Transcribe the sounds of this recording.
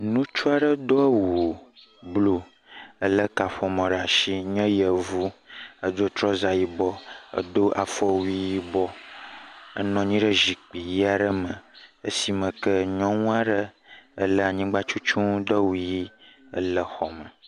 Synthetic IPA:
nũ˦t͡ʃu˦a˨ɖə˦d̪o˦ə˦wu˨ | blo˨ | ə˦lə˦ka˨ɸɔ˨mɔ̃˨ɖə˨a˨ʃi˦ɲɛ̃˦jə˨vu˦ə˦d̪o˦t̪ɾɔ˦za˨ji˦bɔ˦ə̰˦d̪o˦ʔa˨fɔ˦wi˦ji˦bɔ˦ | ə̰˦nɔ̃˨ɲĩ˦ɖə˦ʒi˨k͡pi˨ji˦a˨ɖə˦mə̃˨ə̰˦si˨mə̃˨kə˦ɲɔ̃˦ŋũ˦a˦ɖə˦ə˦lə˦a˨ɲĩ˦ɡ͡ba˦t͡ʃu˦t͡ʃũ˦d̪ɔ˦wi˨ji˦ | ə̰˦lə˨xɔ˨mə˨

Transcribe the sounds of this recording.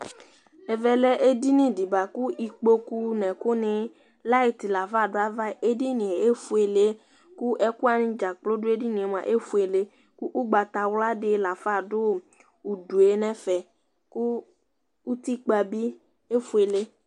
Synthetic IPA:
e˨vɛ˨lɛ˦ʔe˦di˦nĩ˦di˨ba˨ku˦ʔi˨k͡po˦ku˦nɛ̃˨ku˦nẽ˨˦ | la˦i˨t̪i˨la˨fa˦˨dʊ˦a˦va˦˨ʔe˦di˦nĩ˨e˨e˦fu˦e˨le˦ | ku˦ʔɛ˦ku˦a˨nĩ˨˦d͡ʒa˨k͡plo˦dʊ˦e˦di˦nĩ˨e˨m˨ã̰˨ʔe˦fu˦e˨le˦ | ku˦ʔu˦ɡ͡ba˨t̪a˨wla˦ɖɪ˦la˨fa˦˨dʊ˦ | u˨du˨e˨nɛ̃˦fɛ˨ | ku˦ | u˦t̪i˦k͡pa˨bi˦ | e˦fu˦e˨le˦

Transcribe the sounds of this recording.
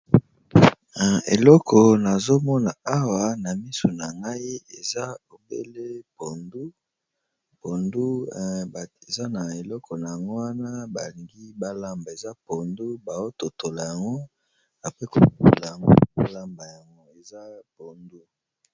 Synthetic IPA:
ḛ˨lɔ˦kʰɔ˨na˨zo˦mɔ˦na˨a˦wa˨na˨mi˦so˨na˨ŋɡa˦i˦e˨za˦o˨bḛ˦le˦po˨ndu˦ | po˨ndu˦˨ | e˨za˦na˨e˨lɔ˦kʰɔ˨na˨ja˨ŋɡo˦wa˦na˦ba˨li˨ŋɡi˦ba˦la˦mba˨e˨za˦po˨ndu˦ba˨o˦to˨tʰo˨la˨ja˨ŋɡo˦ | na˨pe˦ko˨u˨o̰˨la˨ja˨ŋɡo̰˦o̰˦la˦mba˨ja˨ŋɡo˦e˨za˦po˨ndu˦

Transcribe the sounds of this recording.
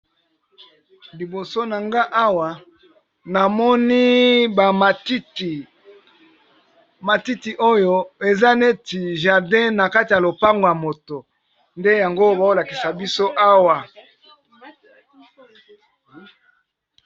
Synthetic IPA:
li˨bo˨so˦na˨ŋɡa˦ʔa˦wa˨ | na˨mɔ˦ni˦ba˨m˨tt | ma˨ti˦ti˨ʔo˦jo˦e˨za˦ne˦ti˨ʒa˨ʁdɛ̃˦na˨ka˦ti˨ja˨lo˨pa˦ŋɡo˨ja˨mo˨to˨ | nde˦ja˨ŋɡo˦ba˨o˦la˨ki˨sa˨bi˦so˦ʔa˦wa˨

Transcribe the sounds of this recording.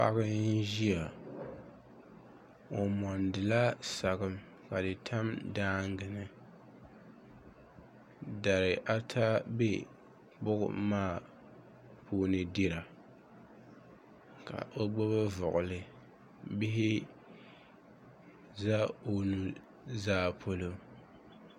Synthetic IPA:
pa̰˦ɣɨ˦ʒi˦a˨ | o˨mɔ˨ndɨ˨la˦sa˨ɣɨ˦m | ka˨dɨ˨tʰa˦mdaː˦ŋ˦ɡɨ˨nɨ˦ | da˨ɾɪ˨ʔa˦tʰa˦be˦ | k͡pʊ˦ɡʊ̰˦maː˦˨ | pʰoː˦nɨ˨di˦ɾa˨ | ka̰˨ʔo˦ɡ͡bo˦ba˦vʊ˨ʔʊ˨lɨ˨ | bi˦ɦɪ˦ | za˦o˦nu˦ | zaː˦pʰo˦lo˦

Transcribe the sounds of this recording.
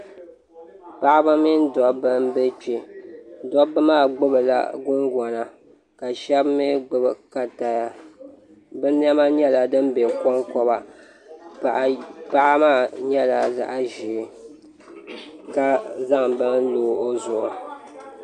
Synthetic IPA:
pa˦ʔa˦bɨ˦mi˦n˦dɔ˨bɨ˦mbɛ˦t͡ʃi˦dɔ˦bɨ˦maː˦˨ɡ͡bɨ˦bɨ˨la̰˦ɡʊ˦ŋɡɔ˨na˨ | ka˨ʃɛ˦bme˦ɡ͡bɨ˦bɨ˨ka˨ta˨ja˦ | bɨ˦n˦ɛ˦ma˦ɲɛ˦la˨dɨ˦m˦bɛ˨kɔ˦ŋkɔ˦ba˨ | a˨ʔpa˦ʔa˦maː˦˨ɲɛ˦la˨za̰˨ʔa˦ʒi˨ | ka˦za˦ŋbɨ˦n˦loː˨˦ʔo˦zʊ˨ʔʊ˨

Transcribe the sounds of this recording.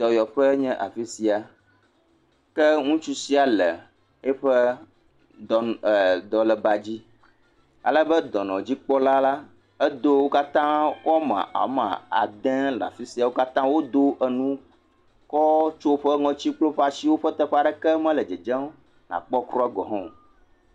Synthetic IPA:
t̪ɔ˨jɔ˨ɸə˦ɲɛ̃˦ʔa̰˨fi˦si˨a˨ | kɛ˦ŋũ˦t͡ʃu˦si˦a˨lɛ˨ | ɛ˦ɸə˦ | ɔ˨d̪ɔ˨lɛ˨ba˨d͡ʑi˦ | a̰˨lə˦bə˦d̪ɔ˨nɔ̃˨d͡ʑi˦k͡pɔ˦la˦la˦ | e˦d̪o˦wo˦ka˦t̪ã˦wo˦a˦mã̰˨a̰˨˦mã̰˨a̰˨d̪ɛ̃˦la̰˨fi˦si˨a˨wo˦ka˦t̪ã˦wo˦d̪o˦ʔə˨nũ˦ | kɔ˦t͡ʃo˦ɸə˦ŋɔ̃˨t͡ɕi˦k͡plo˦ɸa˨si˦wo˦ɸə˦t̪ə˦ɸa˨ɖə˨kɛ˦mɛ̃˦lə˨d͡ʒə˨d͡ʒɛ̃˦o˦ | nã̰˨k͡pɔ˦kɾɔ˦ɛ˦ɡɔ˨ɦɔ̰̃˦˨

